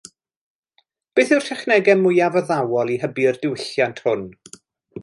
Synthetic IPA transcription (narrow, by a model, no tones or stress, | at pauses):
b̥eːθɪwr̥tʰɛχnɛɡɛmːʊjavəðawɔlˠiɦəbiərdɪwɪɬjantʰhʊn